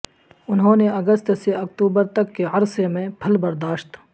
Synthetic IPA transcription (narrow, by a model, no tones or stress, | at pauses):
ʊnɦõːneɐɡəst̪seɐkt̪uːbəɾt̪ɐkːeɐɾsemẽpʰɐlbɐɾd̪aːʃt̪